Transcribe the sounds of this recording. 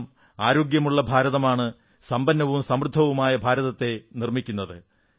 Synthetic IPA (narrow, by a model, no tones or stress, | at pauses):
m | aːɾo̞ːɡjɐmuɭːɐbʱaːɾɐðɐmaːɳɨ | sɐmbɐnːɐʋumsɐmrɨd̪ʱːɐʋumaːjɐbʱaːɾɐðɐt̪ːe̞nirmikʲːunːɐðɨ